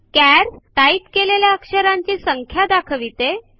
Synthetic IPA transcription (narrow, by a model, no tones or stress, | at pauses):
kæɾʈaipkeleljaəkʂəɾaɲt͡ɕiːsəŋkʰjad̪akʰəʋit̪e